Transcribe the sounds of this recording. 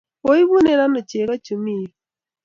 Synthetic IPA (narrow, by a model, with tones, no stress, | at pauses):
o˦i˦βu˦ne˨ɾa˦no˨t͡ʃe˨ka˦t͡ʃu˨mi˦˨